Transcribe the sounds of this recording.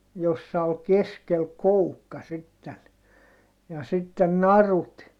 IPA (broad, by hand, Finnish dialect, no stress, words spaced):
josːɑ ol keskel koukːɑ sitːen jɑ sitːen nɑrut